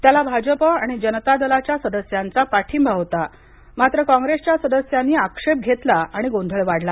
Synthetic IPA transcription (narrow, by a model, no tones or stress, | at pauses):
t̪jalabʱad͡ʑəpəaɽ̃id͡ʑənət̪ad̪əlat͡ɕjasəd̪əsjant͡sapaʈʰiːmbʱaʋt̪a | mat̪ɾəkɔ̃ŋɡɾest͡ɕjasəd̪əsjanːiːakʂep̚ɡʱet̪laaɽ̃iɡond̪ʱəɭʋaɽla